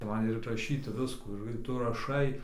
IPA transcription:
ˈmɐn ɪr rɐˈʃʲiːtʲɪ ˈʋʲɪskuː ɪr ˈtʊ rɐˈʃɐɪ

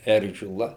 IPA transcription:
ˈɛrʲʒʲɪlˠɐ

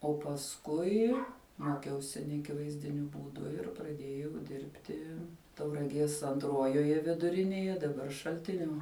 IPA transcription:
oː pɐsˈkʊɪ ˈmoːkʲɛʊsʲɪ nʲɛɐˈkʲɪʋɐɪzʲdʲɪnʲʊ ˈbuːdʊ ɪr prɐˈdʲeːjɛʊ ˈdʲɪrʲpʲtʲɪ tɐʊrɐˈɡʲiɛs ɐnˈtruɔjoːjɛ ʋʲɪdʊˈrʲɪnʲeːjɛ dɐˈbɐr ʃɐlʲˈtʲɪnʲoː

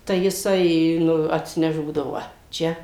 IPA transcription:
tɐɪ jɪˈsɐɪ ˈnʊ ɐtʲsʲɪˈnʲɛʃ ˈbuːdɐʋoː ˈʋɐ ˈt͡ʃʲɛ

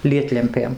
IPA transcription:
ˈlʲiɛtʲlʲɛmʲpʲeːm

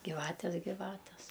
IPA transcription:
ɡʲɪˈʋɑːtʲɛs ɡʲɪˈʋɑːtʲɛs

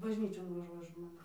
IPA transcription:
bɐʒʲˈnʲiːt͡ʃʲoːn ʋɐˈʒuɔjɛ ˈʒmoːnʲeːs

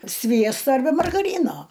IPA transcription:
ˈsʲʋʲiɛstoː ɐrʲˈbʲɛ mɐrɡɐˈrʲiːnoː

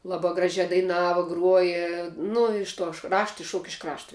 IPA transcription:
ˈlˠɑːbɐ ˈɡrɑːʒʲɛ dɐɪˈnɑːʋɐ ˈɡruɔjɛ ˈnʊ ɪʃ tuɔʃ ˈrɑːʃtɐ ɪʃˈʃuɔk ɪʃ ˈkrɑːʃtoː

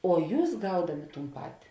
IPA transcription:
oː ˈjuːs ˈɡɐʊdɐmʲɪ ˈtuːn ˈpɑːtʲɪ

